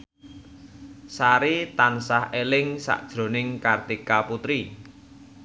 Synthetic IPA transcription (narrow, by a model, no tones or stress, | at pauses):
saɾit̪ansahelɪŋsa̰ʔd̥ʒ̥ɾo̤nɪŋkart̪ikaput̪ɾi